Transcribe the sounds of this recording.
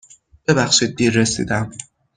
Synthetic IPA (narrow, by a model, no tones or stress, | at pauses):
b̥e̞bæxʃiːd̪̚ːiːɾːesḭːd̪æm